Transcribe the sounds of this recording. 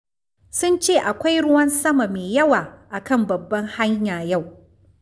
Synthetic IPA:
sʊ˦nt͡ʃeː˦˨ʔa˨kʷa˦jɽʊ˦wɐ˦nsɐ˦ma˨meː˨jɐ˦waː˨ʔa˨kɐ˦mbɐ˨bːɐ˦ŋha˦ɲjaː˨ja˦˨w

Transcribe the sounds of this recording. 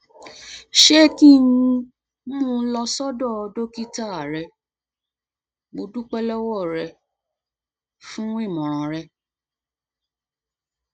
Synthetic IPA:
ʃe˦ki˦nĩ˧ | nũ˦ũ˧lɔ˧sɔ˦dɔ˦˨ɔ˧do˦ki˦ta˦˨a˨ɾɛ˧ | bo˧du˦k͡pɛ˦lɔ˦wɔ˦˨ɾɛ˧ | fũ˦i˦˨mɔ̃˨ɾ̃ã˨ɾɛ˧

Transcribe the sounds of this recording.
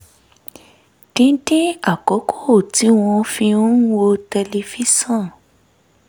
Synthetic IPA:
d̥ĩ˨˦dĩ˦a˨kɔ˨˦kʰo˦o˨ti˨˦w̃ɔ̃˧fĩ˧˦wo˧tɛ˧le˧fi˦sã˦˨

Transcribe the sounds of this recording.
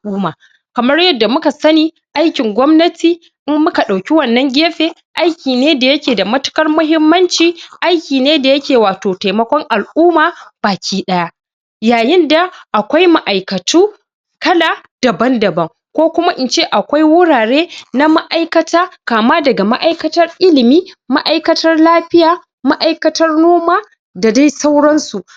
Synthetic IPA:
ʔuː˦maː˨ | kɐ˨mɐ˦rjɐ˦dːa˨mʊ˦ka˨sɐ˦niː˦ | ʔa˦jkʲɪ˨ŋɡʷɔ˦mnɐ˦tʰiː˨ | ʔɪ˦mːʊ˦ka˨ɗa˨wkʲi˦wɐ˦˨nːɐ˦ŋɡʲeː˦ɸeː˦ | ʔa˦jkʲiː˨neː˦da˨jɐ˦kʲeː˨da˨mɐ˦tʊ̥˦kɐ˦rmʊ˦ɦɪ˦mːɐ˦nt͡ʃiː˨ʔa˦jkʲiː˨neː˦da˨jɐ˦kʲeː˨waː˨toː˨ta˨jmɐ˦kʷɔ˦ŋʔa˨lʔuː˦maː˨b̥aː˨kʲʰiː˦ɗɐ˦ja˦ʔ | jaː˨jɪ˦nda˨ʔa˨kʷa˦jma˦ʔa˨jkɐ˨tuː˦ | kɐ˦laː˨d̥ɐ˨bɐ˦ndɐ˨bɐ˦ŋ | kʷoː˦kʷʊ˦ma˦ʔɪ˨nt͡ʃeː˦ʔa˨kʷa˦jwʊ˦ɽaː˨ɽeː˦na˦ma˦ʔa˦jkɐ˦taː˦kaː˨maː˦dɐ˨ɡa˨ma˦ʔa˦jkɐ˦tɐ˦rʔɪ˦lɪ˨miː˦ma˦ʔa˨jkɐ˦tɐ˦rlaː˦ɸɪ˦jaː˨ | ma˦ʔa˦jkɐ˦tɐ˦rnoː˦maː˦ | da˨da˦sa˦wɽɐ˦nsu˨ʔ

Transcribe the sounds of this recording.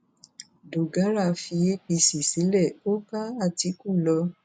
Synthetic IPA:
do˨ɡa˨˦ɾa˦˧fi˧e˦pi˧si˨si˨˦lɛ˦˨o˦ba˦a˦˨ti˨˦ku˦˨lɔ˧˦

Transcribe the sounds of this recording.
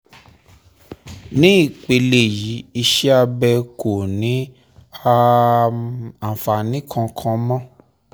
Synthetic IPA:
nĩ˦i˦˨k͡pe˧le˨ji˨˦i˧ʃɛ˦a˧bɛ˧ko˨nĩ˨˦ | a˧ | a˨fa˨nĩ˨˦kʰã˧kʰã˧˦mɔ̃˦

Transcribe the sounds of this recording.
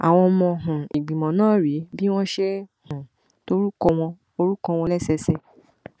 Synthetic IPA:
a̰˨w̃ɔ̃˧mɔ̃˧ɦũ˨i˨ɡ͡bĩ˨mɔ̃˨nãː˦˨ɾi˨˦bi˦w̃ɔ̃˦ʃe˦hũ˨ | to˦ɾu˦kɔ˧w̃ɔ̃˧ | o˧ɾu˦kɔ̃˧w̃ɔ̃˧lɛ˦˨sɛ˧sɛ˧

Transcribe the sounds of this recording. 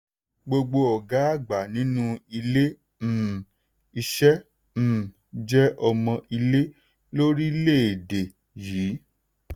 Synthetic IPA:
ɡ͡bo˧ɡ͡bo˧ɔ˨ɡa˨˦a˦˨ɡ͡ba˨nĩ˨˦nũ˦i˧lẽ˦˨ | i˧ʃɛ̃˦˨ | d͡ʒɛ˦ʔɔ˧mɔ̃˧i˧le˦ | lo˦ɾi˦le˦e˨de˨ | jiː˨˦

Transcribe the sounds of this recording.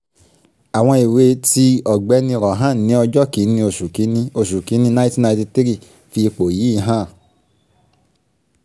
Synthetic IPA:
a˨w̃ɔ̃˧i˨we˧ti˧ɔ˨ɡ͡bɛ˨˦nĩ˧ɾɔ˨ɦã˦˨nĩ˨˦ɔ˧d͡ʒɔ˦ki˨˦nĩ˧o˧˨su˨ki˨˦nĩ˧o˧˨su˨ki˨˦nĩ˦nã˧˦ti˦˨nã˧˦ti˧ti˦ɾi˦˨ | fi˧k͡po˨ji˨˦i˦˧ɦã˦˨

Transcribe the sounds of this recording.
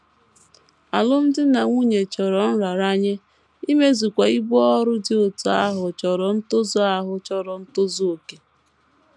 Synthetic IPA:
a˨lʊ˦m̩˦dɪ˦na˨ŋʷu˦ɲe˨t͡ʃɔ˨ɾɔ˨n̩˦ɾa˨ɾa˦ɲe˦ | i˦me˦zu˨kʷa˨i˦bɔ˦ɾʊ˦dɪ˨o˨tu˨a˦ɦʊ˨t͡ʃɔ˨ɾɔ˨n̩˦tʊ˦zʊ˦a˦ɦʊ˦t͡ʃɔ˦ɾɔ˨n̩˦tʊ˦zo˦o˨ke˨

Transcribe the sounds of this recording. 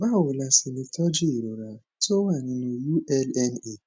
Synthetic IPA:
ba˦˨wʊ˨la˨sɪ˨nɪ˨tʰɔ˦d͡ʒi˦˨ɾo˨ɾa˨ | to˦wa˨ɲɪ˨no˨ju˦ʔɛ˦lɛ˦ne˦˨

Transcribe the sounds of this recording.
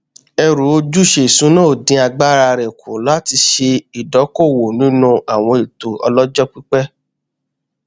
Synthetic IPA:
ɛ˧ɾu˨˦o˧d͡ʒu˦˨ʃe˦˨sũ˨˦nã˦o˨dĩ˧˦a˧ɡ͡ba˦ɾa˧ɾɛ˨kʰo˨la˦ti˧ʃe˧i˨dɔ˨˦ko˦˨wo˨nĩ˦nũ˦a˨w̃ɔ̃˧e˨to˨ɔ̰˧lɔ˦d͡ʒɔ˦k͡pi˦k͡pɛ˦

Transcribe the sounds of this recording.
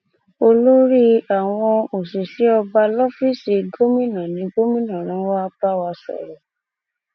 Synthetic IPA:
o˧lo˦ɾi˦a˨w̃ɔ̃˧o˨si˨ʃi˨˦ɔ˧ba˧lɔ˦fi˦si˧ɡo˦mĩ˦nã˨nĩ˨˦ɡo˦mĩ˦nã˦˨ɾ̃ã˨˦wa˦ba˦wa˧sɔ̰˨ɾɔ˨

